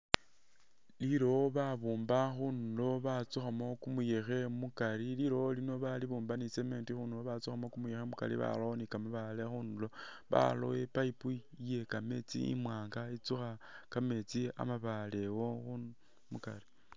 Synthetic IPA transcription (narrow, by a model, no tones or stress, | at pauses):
liɾo̞βaβuːmbaxunlo̞βat͡suxamo̞kumujexe̞mukaliliɾo̞olino̞βaliβuːmbaniseme̞ːntixunulo̞βat͡suxamokumujexemuka̰lḭβa̰loonikamaβale̞xunulo̞ | βa̰lo̰wepaipu | je̞kame̞t͡sḭḭmwaːŋɡait͡suxakame̞t͡sia̰maβale̞wo̞xu | muka̰li